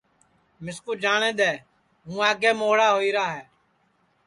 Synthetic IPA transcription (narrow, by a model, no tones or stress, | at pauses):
mɪskuːd͡ʒaːɳẽːd̪eː | ɦũːaːɡeːmoːɽaːɦoːiːɾaːɦɛː